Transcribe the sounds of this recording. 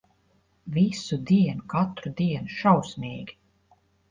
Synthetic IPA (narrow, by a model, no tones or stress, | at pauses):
visud̪iɛnukat̪ɾud̪iɛnuʃawsmʲiːɡʲi̥